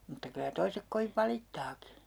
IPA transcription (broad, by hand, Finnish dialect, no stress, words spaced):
mutːɑ kylæ toisek koʋiʋ ʋɑlitːɑːki